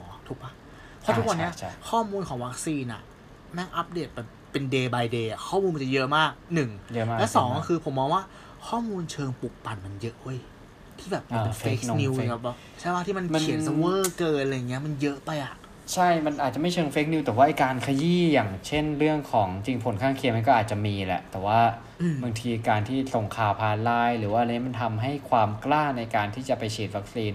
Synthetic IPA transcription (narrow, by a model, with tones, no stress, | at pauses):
ɔː˨˦t̪ʰu˦˥k̚ma˦˥ | pʰɔ˦˥t̪u˦˧kwa˧nː˦˥ɐ˧kʰɔː˥˩muː˧nkʰɔː˩˦ŋwa˦˥k̚siː˧na̰˨˩ | mɛ˦˥ŋʔa˦˥p̚deː˨˩t̪̚bɛː˨˩pːe˧ndeː˧baː˧jdeː˧a˨˩kʰɔː˥˩muː˧nma˧˩t͡ɕa˨˩jɤ˦˥ʔmaː˥˩k̚nɯ˨˩ŋjːlɛ˦˥sɔː˩˦ŋkɔ˧˩kʰɯː˧pʰo˩˦mːɔː˧ŋwaː˥˩ | kʰɔː˥˩muː˧nt͡ɕʰɤː˧ŋpu˨˩k̚pa˨˩nma˧njɤ˦˥ʔhu˥˩əj | t̪ʰiː˥˩bɛː˨˩p̚ma˧pe˧neː˦˥kni˧wka˦˥p̚lɔː˦˥ | t͡ɕʰa˥˩˦waː˥˩t̪ʰiː˥˩ma˧nma˧kni˨˩˦nsa˧wɤː˥˩kɤː˧nla˧jːa˨˩ŋːi˦˥ɐ˥˨ma˧njɤ˦˥ʔpa˧jʔa˨˩ʔ | t͡ɕʰa˥˩jma˧nʔaː˨˩t̪̚t͡ɕa˨˩ma˥˩jt͡ɕʰɤː˧ŋfeː˦˥k̚ni˧wt̪ɛː˨˩waː˥˩ʔa˧jkaː˧nkʰa˧jiː˥˩jaː˨˩ŋt͡ɕʰe˥˩nɾɯ˥˩əŋkʰɔː˩˦ŋt͡ɕi˧ŋpʰo˨˩˦nkʰaː˥˩ŋkʰi˧ma˧nk̬ɔː˥˩ʔːt̪̚t͡ɕa˨˩miː˧lɛ̰˨˩ʔt̪ɛː˨˩waː˥˩˧ | bɯ˧ŋt̪ʰiː˧kaː˧nt̪ʰiː˥˩so˨˩ŋkʰaː˧wpʰaː˧nlaː˧˥˩jɾɯː˩˦waː˥˩ʔa˧ja˥ma˧nt̪ʰa˧mɦa˥˩jkʰwaː˧mklaː˥˩na˧jkaː˧nt̪ʰiː˥˩t͡ɕa˨˩pa˧jt͡ɕʰiː˨˩t̪̚wa˦˥k̚siː˧n